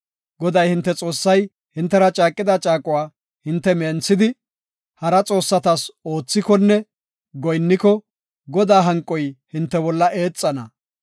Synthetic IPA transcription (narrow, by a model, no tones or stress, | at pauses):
ɡɔd̪ɐjhɪnt̪ːɛt͡sʼo̞ːsːɐj | hɪnt̪ːɛɾɐt͡ʃʼaːkʼːɪd̪ɐt͡ʃʼaːkʼʊwaː | hɪnt̪ːɛment͡sːɪd̪ɪ | hɐɾɐt͡sʼo̞ːsːɐt̪ɐso̞ːt͡sːɪkɔnːɛ | ɡɔjnːɪkɔ | ɡɔd̪aːɦɐŋkʼːɔjhɪnt̪ːɛbɔlːɐʔe̞ːt͡sʼːɐnɐ